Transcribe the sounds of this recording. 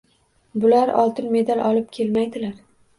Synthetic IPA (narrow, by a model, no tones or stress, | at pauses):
bʊlaɾɒ̰lˠt̪ɪnme̞d̪alʔɒlɪp̚kʲʰe̞lmajd̪ɪlaɾ